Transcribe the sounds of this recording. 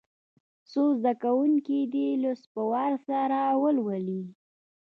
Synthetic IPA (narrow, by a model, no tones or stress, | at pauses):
sozd̪akawuŋkid̪iləspəwɑɾsaɾawəlwəli